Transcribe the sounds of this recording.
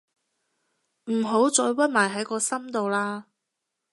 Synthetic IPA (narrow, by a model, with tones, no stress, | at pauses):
m̩˨˩ɦo˨˥wt͡sɔː˧jwɐ˥t̚maː˨˩jɦɐ˨˥jkɔː˧sɐ˥mt̪o˨wlaː˧